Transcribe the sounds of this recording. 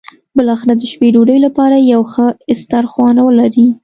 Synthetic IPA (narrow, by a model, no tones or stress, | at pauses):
bəlɑxɪɾad̪əʃpeɖoɖəjlapɑɾajawxəɪst̪aɾxwɑnawəlaɾi